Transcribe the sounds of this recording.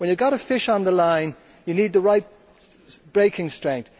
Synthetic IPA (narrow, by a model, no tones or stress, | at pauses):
wə̃njəɡɒɾəfɪʃn̩ðəlãɪ̃n | jəniːd̪̚ðəɹaɪt̚ | b̥ɹeɪkʰɪ̃ŋstɹ̥ɛ̃ŋk̚